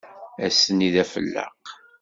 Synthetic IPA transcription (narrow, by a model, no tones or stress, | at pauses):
æsəniðæfə̰lːə̰q